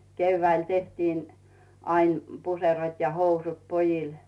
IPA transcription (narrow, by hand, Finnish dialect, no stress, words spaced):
keyʋːæil tehtiːn ɑin m puserot jɑ housut pojil